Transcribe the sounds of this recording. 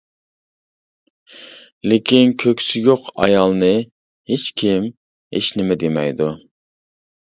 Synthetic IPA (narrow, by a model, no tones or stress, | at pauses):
lekʲinkʲʰøkʲsɪjʲoqʰɑ̰jɑlˠnɨ | het͡ʃkʲʰim | hḛʃnɪmɛd̪emɛ̰jd̪u